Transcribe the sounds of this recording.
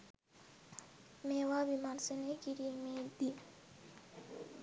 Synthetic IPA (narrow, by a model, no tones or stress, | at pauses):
mɛwabimãnsɛ̃nɛkiɾimɛd̪i